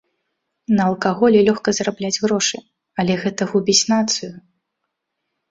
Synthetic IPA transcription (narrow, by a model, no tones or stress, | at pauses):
nɐɐlˠkaɣɔlʲɛlʲɔxkɐzrablʲad͡zʲɣɾɔʂɨ | ɐlʲɛɣɛt̪ɐɣubʲit͡sʲnat̪sɨju